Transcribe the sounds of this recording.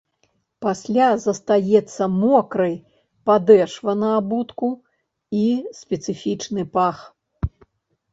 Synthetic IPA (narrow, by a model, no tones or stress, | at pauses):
pasʲlʲazɐst̪ajɛt̪sːɐmɔkɾɐj | pad̪ɛʂvɐnɐabut̪ku | isʲpʲɛt̪sɨfʲit͡ʂnɨpax